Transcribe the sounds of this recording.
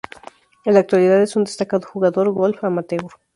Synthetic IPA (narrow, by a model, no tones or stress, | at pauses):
elak̚t̪waliðaðesund̪est̪akaðoxuɣaðoɾɣolfamat̪eo